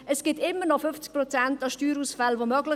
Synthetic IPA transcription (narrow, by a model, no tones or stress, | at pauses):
ɛsɡ̥ɪtɪmːənɔfʏft͡sk̚pɾɔt͡sæntɑʃtyːɾuːsfalvomœɡlɪ